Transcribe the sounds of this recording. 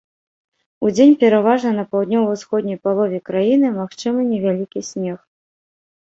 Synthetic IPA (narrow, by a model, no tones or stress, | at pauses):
ud͡zʲenʲpʲɛɾavaʐnɐnɐpawd̪ʲnʲɔwuwsxɔd̪ʲnʲɐjpalˠɔvʲɛkɾajinɨmaxt͡ʂɨmɐnʲɛvʲalʲikʲisʲmʲɛx